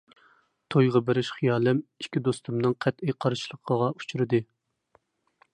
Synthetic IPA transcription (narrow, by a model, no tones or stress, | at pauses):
t̪ʰojʁɑbɪɾɪʃχijɑːlˠɨmi̥ʃkʲid̪ost̪umnɨŋqʰæt̪ɪqʰɑɾʃlˠəqʰəʁɑu̥t͡ʃʰuɾɨd̪ɨ